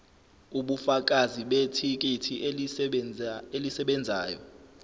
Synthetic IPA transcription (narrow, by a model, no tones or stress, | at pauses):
uɓufak̬ʼaziɓetʰik̬ʼitʰi | elisɛɓɛnd͡zʱaːjɔ̰